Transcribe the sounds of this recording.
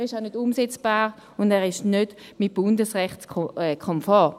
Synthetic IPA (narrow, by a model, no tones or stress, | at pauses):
ʁɪʃaʊnødumsɛt͡sb̥aːʁ | ʊndɛːʁɪʃnød̥ | mit̚b̥ʊndəsʁɛχtt͡sɛkʰɔmfɔː